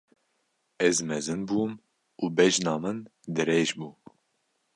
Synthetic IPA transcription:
ɛzmɛzɨnbuːm | uːbɛʒnɑːmɨnd̪ɨɾeːʒbuː

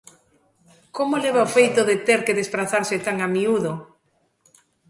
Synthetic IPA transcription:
komoleβ̞aofejt̪oðet̪eɾkeðespɾaθaɾsɪt̪aŋamiuðo

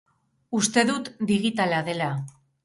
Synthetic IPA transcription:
ust̪e̞ðut̪d̪iɣit̪alaðe̞la

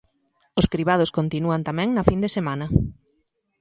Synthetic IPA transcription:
ʊskɾiβað̞ʊskont̪inuant̪amɛ̃ŋnɐfind̪esemanɐ

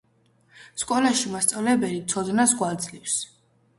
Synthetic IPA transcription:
skʼɔlaʃimast̪sʼavlɛbɛlit̪sʰɔd̪nasɡwad̪zlips

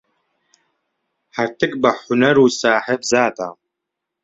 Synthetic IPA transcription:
ħart̪ʰɨk̚bɐħʊnɐɾuːsaːħɪbzaːda̰ː

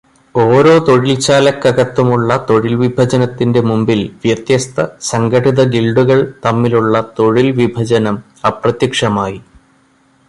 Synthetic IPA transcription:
o̞ːɾo̞ːt̪o̞ɻilt͡ɕaːlɐkːɐɣɐt̪ːumuɭːɐt̪o̞ɻilʋibʱɐd͡ʑɐnɐt̪ːinde̞mumbilʋjɐt̪jɐst̪ʰɐsɐŋɡʱɐʈiðɐɡilɖuɣɐɭt̪ɐmːiluɭːɐt̪o̞ɻilʋibʱɐd͡ʑɐnɐm | ɐprɐt̪jɐkʂɐmaːji

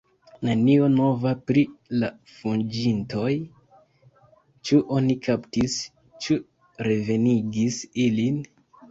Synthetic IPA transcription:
nanio̞no̞vapɾila | fund͡ʒinto̞j | t͡ʃuʔo̞nikʰaptis | t͡ʃu | ɾe̞ve̞niɡisilin

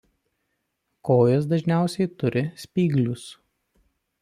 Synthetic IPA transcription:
koːjos̬d̪ɐʒʲnʲæˑʊsʲɛɪt̪ʊɾʲɪsʲpʲiːɡlʲʊs

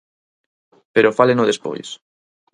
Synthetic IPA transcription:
peɾofalenʊðespo̰js

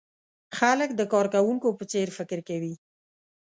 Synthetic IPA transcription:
xalək̚d̪əkɑɾkawuŋkopət͡seɾfɪkɾkawi

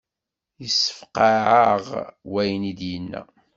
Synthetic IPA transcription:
jəsːə̥fqaʕəʁwæjənid̪jənːæ̰

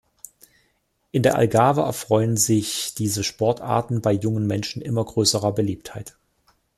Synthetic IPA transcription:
ʔɪndeːɐʔa̰lɡaːvəɛ̰ɐfʁ̥ɔʏənzɪçd̥iːzəʃpɔɐtʔa̰ːɐtn̩baɪjʊŋənmɛnʃn̩ʔɪmɐɡʁøːsəʁɐbəliːp̚thaɪt

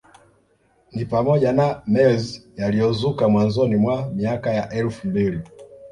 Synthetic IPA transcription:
nipamɔʄanamɛzijalijɔzukamwanzɔnimwamiakajaʔɛlfumbili

